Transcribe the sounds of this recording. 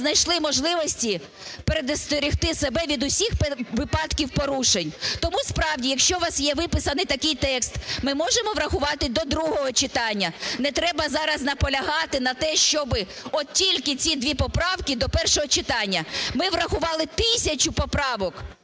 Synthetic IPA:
znɐjʃlˠɪmɔʒlˠɪʋɔsʲtʲi | peɾed̪ɐst̪ɔɾʲixt̪ɪsebɛʋʲid̪ʊsʲixpʋɪpɑd̪kʲiwpɔɾuʃenʲt̪ɔmuspɾɑwdʲijɐkʃt͡ʃɔʋɑsjɛʋɪpɪsɐnɪt̪ɐkɪjt̪ɛkst̪mɪmɔʒemɔʋɾɐxʊʋɑt̪ɪd̪ɔd̪ɾuɦɔɦɔt͡ʃɪt̪ɑnʲːɐnɛt̪ɾɛbɐzɑɾɐznɐpɔlʲɐɦɑt̪ɪnɐt̪ɛʃt͡ʃɔbɪ | ɔt̪tʲilʲkɪt͡sʲid̪ʋʲipɔpɾɑwkʲid̪ɔpɛrʃɔɦɔt͡ʃɪt̪ɑnʲːɐmɪʋrɐxʊʋɑlˠɪt̪ɪsʲɐt͡ʃʊpɔpɾɑʋɔk

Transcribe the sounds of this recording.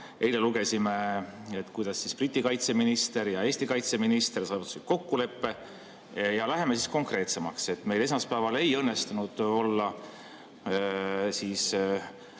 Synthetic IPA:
ʔe̞jle̞luɡ̥e̞sime̞et̪ːˑkujd̪̥ɑsːisprit̪ʲːˑikɑjt̪se̞minist̪e̞ɾjɑe̞ːsʲt̪ikɑjt̪se̞minist̪e̞rsɑvut̪u̥sit̪̚ko̞kːule̞pːe̞ | jɑlæɦe̞me̞sisko̞ŋkre̞ːt̪se̞mɑkse̞t̪ːˑme̞jle̞s̬mɑspæːvɑle̞jɤ̞nːe̞st̪unud̪̥o̞lːɑ | siːs

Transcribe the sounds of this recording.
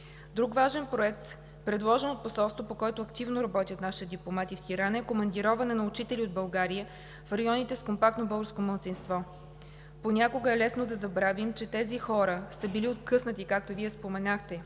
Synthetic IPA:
d̪ɾukvaʒɛnpɾoɛk̚t̪ | pɾɛd̪lˠɔʒɛnot̪̚posɔlˠst̪vopokɔɛt̪oɐkt̪ivnoɾɐbɔt̪ʲjət̪naʃi̥t̪ɛd̪iplˠomat̪ift̪iɾanɛkomɐnd̪iɾɔvɐnɛnɐʊt͡ʃit̪ɛliod̪̚bɐlˠɡaɾiə | fɾɐjɔnit̪ɛskompak̚t̪nobɤlˠɡəɾskoməlˠt̪sinst̪vɔ | ponʲakoɡəɛlɛsnod̪ɐzɐbɾavimt͡ʃɛt̪ɛzixɔɾəsəbiliot̪kɤsnət̪ikak̚t̪oviɛspomɛnaxt̪ɛ

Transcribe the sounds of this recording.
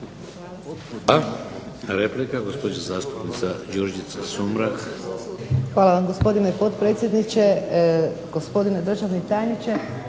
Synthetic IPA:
a | ɾeplikaɡospod̪ɲazaːst̪u̥pnit̪sad͡ʒoɾd͡ʒit̪sasumɾak | xʋaːlˠaʋamɡo̞spo̞d̪ineipo̞t̪pɾe̞ːt̪sʲje̞d̪nit͡ʃe̞ | ɡ̥ospo̞d̪ined̪r̩ʒaʋnit̪aːjnit͡ʃe

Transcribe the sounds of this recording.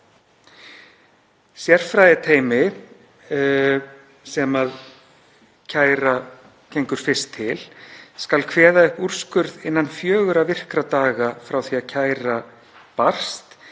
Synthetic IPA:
sjɛr̥fɾajðɪt̪ʰeːjmɪ | sɛmað | cʰaːjɾa | cejŋkʏɾ̥fɪst̪ʰːɪlskalkʰvɛːðaʏhpur̥skʏɾðɪnːanfjœːɣʏɾavɪr̥kɾat̪aːɣafɾawθiacʰaːjra | par̥st̪

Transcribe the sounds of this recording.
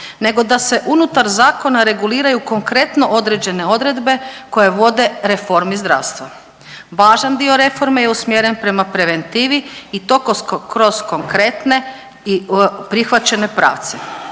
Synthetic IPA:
ne̞ɡo̞d̪ase̞ʔunut̪aɾzaːko̞naɾe̞ɡuliːɾajuko̞ŋkɾe̞t̪no̞ʔo̞d̪ɾed͡ʑe̞ne̞o̞d̪ɾe̞d̪be̞ko̞je̞ʋo̞d̪e̞ɾe̞fo̞ɾmizd̪ɾa̰ːʋst̪ʋa | ʋaːʒand̪io̞ɾe̞fo̞ɾme̞jeusmjeɾenpɾe̞mapɾe̞ʋe̞nt̪iːʋiit̪o̞kokɾo̞z̥ko̞ŋkɾe̞t̪ne̞ | ipɾixʋat͡ɕe̞ne̞pɾa̰ːʋt̪se

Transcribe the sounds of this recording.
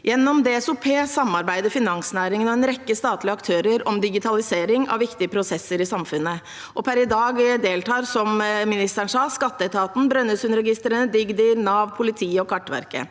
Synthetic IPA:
jɛnːɔmd̪eːɛsʊpʰeːsɑmɑɾbæɪd̪əɾfɪnɑŋsnæːɾɪŋənɔɛnɾɛkːəst̪ɑːt̪lɪəɑkt̪ʰøːɾəɾɔmd̪ɪɡɪt̪ʰɑlɪseːɾɪŋɑ̰ʋʋɪkt̪ɪəpʰɾʊsɛsːəɾɪsɑmfʉnːə | ʔɔpʰæɾɪd̪ɑːɡd̪eːlt̪ʰɑːɾsɔmmɪnɪst̪æɳsɑːskɑt̪ːəɛt̪ʰɑːt̪n̩bɾœnːəsʉnəɾɛɡɪst̪ɾənəd̪ɪɡd̪əɾnɑːʋpʰʊlɪt̪ʰiːəɔkʰɑʈːʋæ̰ɾkə̰

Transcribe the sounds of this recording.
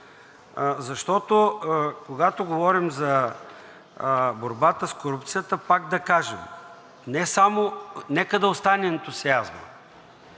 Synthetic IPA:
zɐʃt̪ɔt̪okoɡat̪oɡovɔɾimzɐ | boɾbat̪əskoɾup̚t̪sijət̪əpaɡ̚d̪ɐkaʒɛm | nɛsamonɛkəd̪ɐost̪anɛɛnt̪ʊsiazno̰

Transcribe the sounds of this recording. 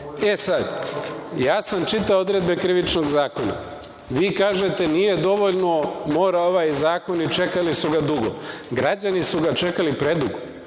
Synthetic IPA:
e̞sad̪jaːsamt͡ʃit̪ao̞d̪ɾe̞d̪be̞kɾiʋit͡ʃnoɡzaːkona̰ | ʋiːkaːʒe̞t̪e̞nije̞d̪o̞ʋoʎno̞mo̞ːɾao̞ʋajzaːko̞nit͡ʃe̞kalisuɡad̪uɡo̰ɡɾad͡ʑanisuɡat͡ʃe̞kalipɾe̞d̪uɡo

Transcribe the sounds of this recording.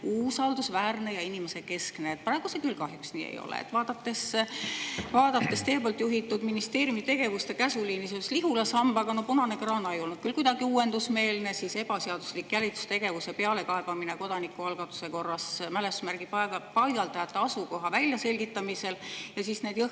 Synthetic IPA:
uːsɑld̪usvæːrne̞jɑinimese̞ke̞skne̞eːt̪̚prɑˑe̞ɡ̥usekylkɑɦjuksnḭːḛjo̞̰lḛḛt̪vɑːd̪̥ɑt̪ːˑe̞s | vɑːd̪̥ɑt̪ːˑe̞st̪e̞ːpolt̪ˑjuɦit̪ːˑud̪minist̪e̞ːɾjiumit̪e̞ɡ̥e̞vust̪e̞kæsuliːnisesliɦulɑsɑmb̥ɑɡ̥ɑno̞punɑne̞krɑːnɑe̞jo̞lnud̪̥̚kylkujd̪̥ɑɡiuːwe̞nd̪usme̞ːlne̞sise̞b̥ɑseɑd̪̥uslikːjælʲit̪su̥st̪e̞ɡ̥e̞vusepe̞ɑle̞kɑeb̥ɑmineko̞d̪ɑnikːˑuɑlɡ̥ɑt̪ːˑu̥se̞ko̞rːɑsmæle̞smærɡ̥ippɑjɡ̥ɑlt̪ɑjɑt̪ːˑɑɑsuko̞ɦɑvælʲjɑse̞lʲɡ̥it̪ːˑɑmise̞ljɑsisne̞ːd̥̪jɤ

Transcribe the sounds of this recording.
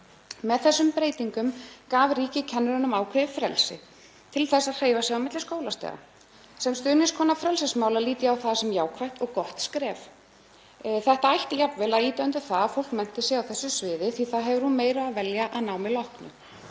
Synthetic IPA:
mɛðθɛsːʏmpɾeːjt̪iŋkʏmkaːvriːcɪcʰɛnːʏɾʏnʏmaːwkʰɾ̥ɪvɪfɾɛlsɪ̰ | t̪ʰɪlθɛsːaðr̥eːjvasɛɣawmɪt̪lɪskoːwlast̪ɛ̰ːɣa̰ | sɛmst̪ʏːnɪskʰɔːnafɾɛlsɪsmaːwlaliːt̪ɪawθaðsɛmjaːwkʰɾajht̪ɔɣkɔht̪skɾɛːf | θɛht̪aajht̪japvɛlaðiːt̪œnt̪ʏɾθaðafowl̥kmɛn̥t̪ɪsjɛɣawθɛsːʏsvɪːðɪθviθaðɦɛvʏɾhunmeːjɾaaðvɛljaʔaðnawmɪlɔhknʏ̰

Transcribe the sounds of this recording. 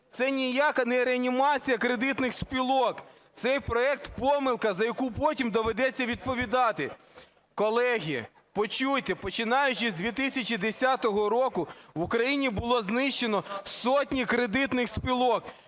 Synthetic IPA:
t̪sɛnʲijakɐnɛɾeɐnʲimɑt͡sʲijɐkɾed̪ɪt̪nɪxspʲilˠɔk | t̪sɛjpɾɔɛk̚t̪pɔmɪlˠkɐzɐjɐkupɔtʲimd̪ɔʋed̪ɛt͡sʲːɐʋʲid̪̚pɔʋʲid̪ɑt̪ɪ | kɔlˠɛɦʲi | pɔt͡ʃut̪ʲepɔt͡ʃɪnɑjʊt͡ʃɪzʲd̪ʲʋʲit̪ɪsʲɐt͡ʃid̪esʲat̪ɔɦɔɾɔkʊʋʊkɾɐjinʲibʊlˠɔznɪʃt͡ʃːenɔsɔtʲnʲikɾed̪ɪt̪nɪxspʲilˠɔk

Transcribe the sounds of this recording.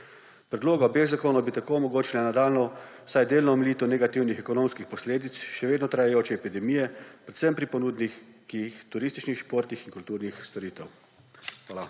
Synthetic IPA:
pɾɛd̪loːɡaɔbeːɣzakoːnɔwbit̪akoumɔɡoːt͡ʃilanad̪aːlnɔ | sajd̪eːlnɔmliːt̪ɔnɛɡat̪iwnixɛkɔnoːmskixpɔsleːd̪it̪sʃɛʋeːd̪nɔt̪ɾajajoːt͡ʃɛːpid̪ɛmijɛpɾɛt̪səmpɾipɔnuːd̪nixkiixt̪uɾiːst̪i̥t͡ʃnixʃpoːɾt̪nixinkult̪uːɾnixst̪ɔɾiːt̪ɛw | xʋaːla

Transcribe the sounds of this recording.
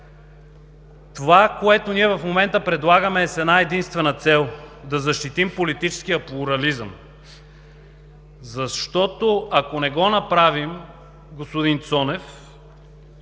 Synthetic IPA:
t̪ovakoɛt̪oniɛvɐfmomɛnt̪əpɾɛd̪lˠaɡəmɛːsɛd̪naɛd̪inst̪vɛnət̪sɛlˠd̪ɐzɐʃt̪it̪impolit̪it͡ʃɛ̥sk̟ijəplˠʊɾɐlizəm | zɐʃt̪ɔt̪oɐkonɛɡɔnɐpɾavim | ɡospod̪int̪sɔnɛf

